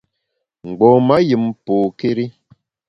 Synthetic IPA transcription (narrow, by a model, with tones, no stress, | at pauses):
ŋ̩˨ɡ͡bɔ˨ma˦ji˨mpoː˨ke˦ɾi˦